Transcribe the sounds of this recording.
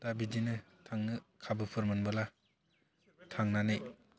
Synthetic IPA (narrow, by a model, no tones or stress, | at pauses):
dabidinɯ | tʰaŋɯkʰabɯpʰɯɾmɯnbɯla | tʰaŋnanej